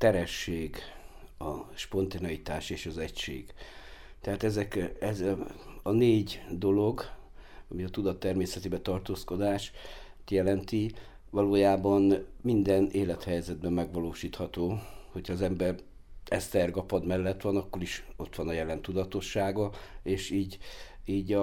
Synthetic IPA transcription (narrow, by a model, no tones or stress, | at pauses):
t̪ɛɾɛʃːeːɡɒʃpo̞nt̪enɒjit̪aːʃeːʃɒzɛcʃḛːɡ̥ | t̪ɛɦaːt̪ɛzɛkɛzɒneːɟd̪o̞lo̞ɡɒmiɒt̪ud̪ɒt̪ːɛrmeːsɛt̪ebɛt̪ɒrt̪oːsko̞d̪aːʃt̪jɛlɛnt̪i | ʋɒloːjaːbɒnmind̪ɛneːlɛt̪hɛjzɛd̪̚bɛmːɛɡʋɒloːʃiːt̪hɒt̪oːho̞chɒːzɛmbɛr | ɛst̪ɛrɡɒpɒd̪mɛlːɛt̪ʋɒnɒkːo̞ɾiʃo̞t̪ʋɒnɒjɛlɛnt̪ud̪ɒt̪o̞ʃːaːɡɒeːʃiːɟiːɟɒ